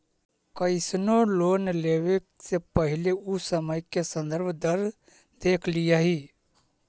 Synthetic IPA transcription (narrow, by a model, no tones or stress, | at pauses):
kəɪsnoloːnleːweksepəɦɪleʊsəməjkesə̃nd̪əɾbʱd̪əɾ | d̪eːkʰlɪjaɦiː